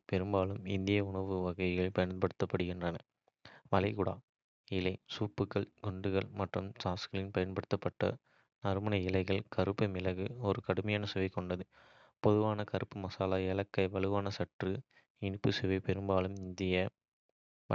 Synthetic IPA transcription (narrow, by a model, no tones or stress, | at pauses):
pɛɾɯmbaːlɯmɪnd̪ɪjɐʊɳɐʋɯʋɐɣɐɪɣɐɭpɐjɐnpɐɽɯt̪ːɐpːɐɽɯɣɪndrɐnɐ̰ | ʋɐlɐɪɣʊɽa̰ː | ɪlɐɪsuːpːɯkːɐɭɡɔɳɖɯɣɐɭmɐʈrɯ̰msaːsɣɐɭɪnpɐjɐnpɐɽɯt̪ːɐpːɐʈːɐ̰ | nɐɾɯmɐnɐɪlɐɪɣɐɭkɐɾɯpːɐɪmɪlɐɣɯɔɾɯkɐɽɯmɐjaːnɐsɯʋɐɪkɔɳɖɐðɯ | pɔðɯʋaːnɐkɐɾɯpːɯmɐsaːlaːɛlɐkːɐɪʋɐɭɯʋaːnɐsɐʈrɯ | ɪnɯpːɯsɯʋɐɪpɛɾɯmbaːlɯmɪnd̪ɪjɐ